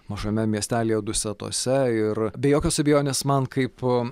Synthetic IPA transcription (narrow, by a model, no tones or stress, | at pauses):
mɐʒoːmʲɛmʲiɛsʲt̪ʲæːlʲiːjɛd̪ʊsʲɛt̪o̰ːsʲɛɪrbʲɛjoːkʲoːsɐbʲɛɪjoːnʲeːsmɐnkɐɪp